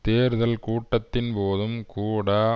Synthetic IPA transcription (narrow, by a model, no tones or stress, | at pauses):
t̪eːɾðɐlkuːʈːɐt̪ːɪnpoːðɯmkuːɽɐ